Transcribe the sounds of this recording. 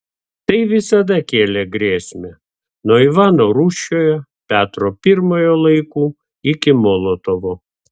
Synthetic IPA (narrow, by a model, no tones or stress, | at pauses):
t̪ɐɪʋʲɪsɐd̪ɐkʲeːlʲeɡɾʲeːsʲmʲɛ | noːiʋɑːnoːɾuːʃʲoːjɛpʲæːt̪ɾoːpʲɪɾmoːjoːlˠɐɪkuː | ɪkʲɪmoːlˠoːt̪oʋo